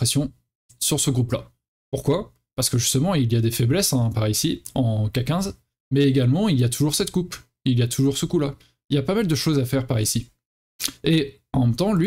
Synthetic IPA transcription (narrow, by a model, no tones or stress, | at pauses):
χesjɔ̃ | syʁsəɡʁupla | puʁkwa | paʁsəkəʒyst̪əmɑ̃iljad̪efɛblɛsɛ̃paʁisiɑ̃kakʲɛ̃z | mɛeɡalmɑ̃iljat̪ʰuʒuʁsɛt̪kup | iljat̪ʰuʒuʁsəkula | iljapamald̪əʃozafɛʁpaʁisi | e | ɑ̃mɛmt̪ɑ̃lɥi